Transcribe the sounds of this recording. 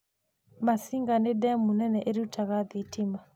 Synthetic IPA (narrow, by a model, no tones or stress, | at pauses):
masiŋɡanedɛmunɛnɛʔeɾiutʰaɣaðitima